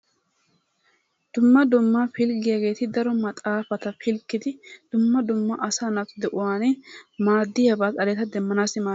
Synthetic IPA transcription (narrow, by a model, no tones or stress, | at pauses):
d̪̥ʊmːɐd̪ʊmːafɪlɡɪjaɡe̞ːt̪ɪd̪ɐɾɔmɐt̪ʼaːfɐt̪ɐfɪlkːɪd̪ɪd̪̥ʊmːɐd̪ʊmːɐʔɐsaːnɐfd̪ɛʔʊwaːnɛmaːd̪ːɪjɐbaːt̪ʼɐlɛt̪ɐd̪ɛmːɐnaːsɪmaː